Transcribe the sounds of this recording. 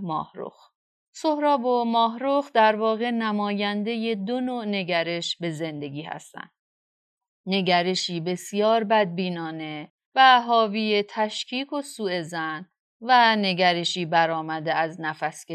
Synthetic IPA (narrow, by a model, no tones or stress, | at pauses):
mɒ̰ːhɾo̰x | so̞hɾɒːbomɒːɦɾoxd̪æɾvɒːɣe̞næmɒːjænd̪e̞jed̪onoːne̞ɟæɾe̞ʃbe̞ze̞nd̪e̞ɟiːhæ̰st̪æ̰ndd̥ | ne̞ɟæɾeʃiːbe̞sijɒːɾbæd̪̚biːnɒːne̞ | væɦɒːviːje̞t̪ʰæʃcʰiːkʰo̞suːe̞zæn | væne̞ɟæɾeʃiːbæɾɒːmæd̪e̞æznæfæsce